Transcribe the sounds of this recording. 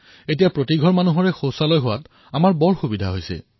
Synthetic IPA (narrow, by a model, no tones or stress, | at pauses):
etijapɹotiɡʱɔɹmanuɦɔɹɛxowsalɔjɦʊwat | amaɹbɔɹxubidʱa̰ɦojsɛ̰